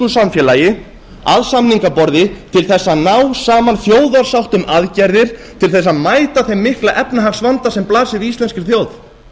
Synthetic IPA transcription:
ʏsamfjɛlajɪ | aðsamniŋkapɔɾðɪt̪ʰɪlθɛsːanawsaːmanθjoːwðaɾ̥sawht̪ʏmaðcɛɾðɪɾ̥t̪ʰɪlθɛsːamaːjt̪aθejmːɪhklaʔɛpnaɦaxsvant̪asɛmplaːsɪðist̪lɛnskɪɾ̥θjoːwð

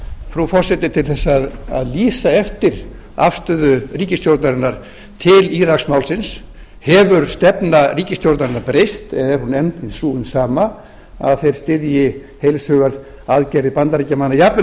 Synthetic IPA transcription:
fɾufɔr̥sɛt̪ɪt̪ʰɪlθɛsːaaða̰ðliːsaɛft̪ɪɾ | a̰fst̪ʏːðʏriːcɪst̪jowɾt̪naɾɪnːaɾ̥ | t̪ʰɪliɾaksmawlsɪns | hɛvʏɾ̥st̪ɛpnariːcɪst̪jowɾt̪naɾɪnːaɾpɾejst̪ɛðɛɾhunɛnt̪ɪnsuːʏnsaːma | a̰ðθejɾ̥st̪ɪɾjɪ | hejlsœːɣaɾð | aðcɛɾðɪpant̪aɾiːcamanːajapnɪ

